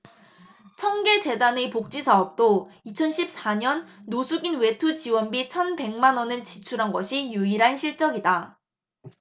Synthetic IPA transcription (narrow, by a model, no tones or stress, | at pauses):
t͡ɕʰʌŋɡe̞t͡ɕe̞danepok̚t͡ɕ͈isʰaʌp̚t͈oit͡ɕʰʌnɕʰip̚s͈aɲʌnːosʰuɡinwe̞tʰut͡ɕiwʌnbit͡ɕʰʌnpe̞ŋmanwʌnɯɭt͡ɕit͡ɕʰuɾɦanɡʌɕʰijuiɾɦanɕʰiɭt͡ɕ͈ʌŋida